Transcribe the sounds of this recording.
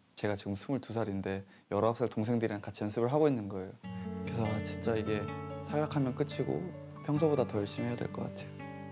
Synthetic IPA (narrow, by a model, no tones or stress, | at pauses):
t͡ɕe̞ɡat͡ɕiɡɯmsʰumuɭtusʰaɾinde̞ | jʌɾʌɦap̚s͈ɯɭtoŋsʰe̞ŋdɯɾinɯnkat͡ɕʰijʌnsʰɯbɯɭɦaɡoinːɯnɡʌe̞jokɾesʰʌat͡ɕint͡ɕ͈aiɡe̞sʰaɭːakʰamjʌnk͈ɯt͡ɕʰiɡo̰ | pʰjʌŋsʰobodatʌjʌɭɕ͈imɦejadwḛɭk͈ʌk͈atʰejo